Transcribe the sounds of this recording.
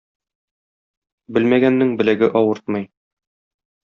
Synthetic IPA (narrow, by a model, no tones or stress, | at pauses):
bɘlmæɡænːɘŋbɘ̆læɡɘʔɒwɤɾt̪mɤj